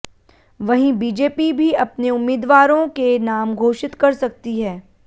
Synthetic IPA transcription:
ʋɐɦĩbiːd͡ʒeːpibʱiɐpneʊmːɪːd̪ʋaːɾõkenaːmɡʱoːʃɪt̪kɐɾsɐk̚t̪iɦɛː

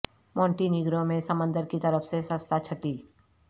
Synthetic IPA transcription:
mɔ̃ːɳʈinɪɡɾõmẽsɐmə̃nd̪əɾkit̪ɐɾəfsesə̃st̪ʰat͡ʃʰɐʈiː

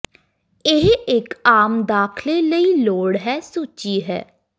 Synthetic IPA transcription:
ɪɦɪkaːmd̪aːkʰleːləiloːɽɦɛːsuːt͡ʃiːɦɛ̰ː

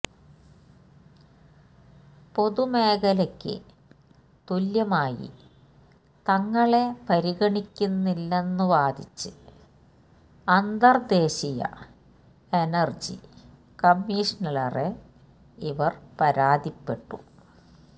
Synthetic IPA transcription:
po̞ðume̞ːɣɐlɐkʲːɨ̰ | t̪uljɐmaːjḭ | t̪ɐŋːɐɭe̞pɐɾiɣɐɳikʲːunːilːe̞nːuʋaːd̪ʱit͡ɕːɨ | ɐnd̪ɐrd̪eːɕijɐ̰ | enɐrd͡ʑḭ | kɐmːiːʂɐnɐlɐre | iʋɐrpɐɾaːd̪ipːe̞ʈːu

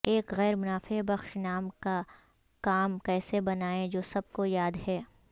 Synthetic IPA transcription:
eːkɣɛːɾmʊnaːfebɐxʃnaːmka | kaːmkɛːsebɐnaːẽd͡ʒoːsɐb̚kojaːd̪ɦɛː

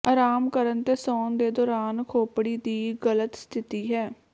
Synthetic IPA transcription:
aːɾaːmkəɾənt̪eːsɔːnd̪eːd̪ɔːɾaːnkʰoːpɽiːd̪iːɡələt̪st̪ʰɪt̪iːɦɛː

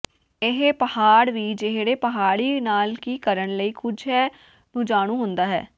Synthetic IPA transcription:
ɪɦpəhaːɽʋiːd͡ʒɪɦɽeːpəɦaːɽiːnaːlkiːkəɾəɳləiːkʰʊd͡ʒɦɛː | nũːd͡ʒaːɽ̃ũːɦʊ̃nd̪aːɦɛ̰ː

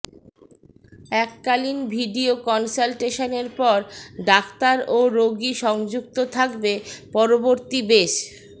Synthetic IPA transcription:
ɛkːalinbʱiɖiokɔnsalʈeʃoneɾpɔɾɖakt̪aɾoɾoɡiʃɔŋd͡ʑuk̚t̪ot̪ʰakbepɔɾoboɾt̪ibeʃ

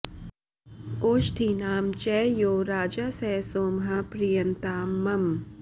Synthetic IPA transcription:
oːʃt̪ʰinaːmt͡ʃɛːjoːɾaːd͡ʒasɛːsoːmɦɐpɾijɐnt̪aːmːɐm

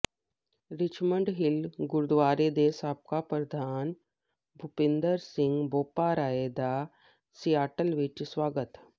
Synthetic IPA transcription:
ɾɪt͡ʃməɳɖɦɪlɡʊɾd̪ʋaːɾed̪eːsaːp̚kapɾɐd̪ʱaːn | bʱʊpɪ̃nd̪əɾsɪ̃ŋɡboːpaːɾaːed̪a | sijaːʈəlʋɪt͡ʃsʋaːɡət̪

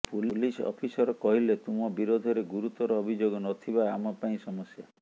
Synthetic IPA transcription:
pullisɔ̰pʰisɔɾɔkɔɦilet̪umɔbiɾod̪ʱɔɾeɡuɾut̪ɔɾɔːbʱid͡ʒoɡɔnɔt̪ʰibaamɔpaĩsɔmɔsja

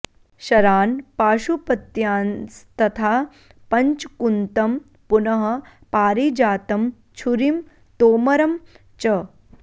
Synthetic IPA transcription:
ʃɐɾaːnpaːʃupɐt̪jaːnst̪ɐt̪ʰaː | pɐɲt͡ʃkunt̪ɐm | punɐɦɐ̆ | paːɾid͡ʒaːt̪ɐm | t͡ʃʰuɾim | t̪oːmɐɾɐm | t͡ʃɐ

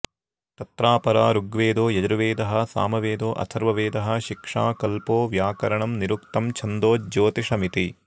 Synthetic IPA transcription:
t̪ɐt̪ɾaːpɐɾaːɾuɡʋeːd̪oːjɐd͡ʒɾuʋeːd̪ɐɦɐ̆sa̰ːmɐʋeːd̪oːʔɐ̰sʰɐɾʋɐʋeːd̪ɐɦɐ̆ʃikʂaːkɐlpoːʋjaːkɐɾɐɳɐmniɾuk̚t̪ɐmt͡ʃʰɐnd̪oːd͡ʒoːt̪iʂɐmit̪i

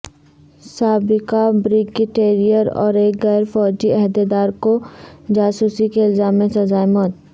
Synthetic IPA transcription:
saːbɪkabɾɪɡɪʈeːɾijəɾɔ̰ːɾeːkɡɛːɾfɔːd͡ʒiɛɦd̪ed̪aːɾkod͡ʒaːsuːsikeɪlzaːmːẽsɐzaːemɔːt̪̚

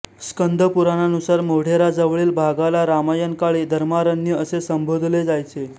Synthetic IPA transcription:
skənd̪ʱəpuɾananusaɾmoɽ̤eɾad͡zəʋɭiːlbʱaɡalaɾamajənkaɭiːd̪ʱəɾmaɾənːjiəsesəmbʱod̪ʱled͡zajt͡se

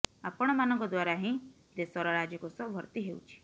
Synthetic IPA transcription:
apɔɽ̃ɔmanɔ̃ŋkɔd̪waɾaɦĩ | d̪esɔɾɔɾad͡ʒjɔkosɔbʱɔɾt̪iɦeṵt͡ʃʰi̥

